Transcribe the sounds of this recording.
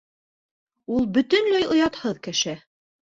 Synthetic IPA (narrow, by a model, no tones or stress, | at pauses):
ulˠbɵ̆t̪ɵ̆nlæjŏjɑt̪hɤðkɘ̆ʃɘ